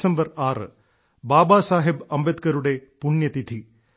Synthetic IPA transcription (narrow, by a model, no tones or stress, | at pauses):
sɐmbɐraːrɨ̰ | baːbaːsaːɦibɐmbed̪kɐɾuɽe̞puɳjɐt̪id̪ʰʱi